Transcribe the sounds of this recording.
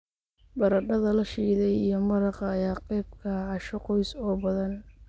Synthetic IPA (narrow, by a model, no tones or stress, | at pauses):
bɐɾɐɖɐðɐlɐʃiːðɛjijɞmɐɾɑqɑːjaːqɛjb̚kʰɐʕɑʃɔqɔjsɔːbɐðɐn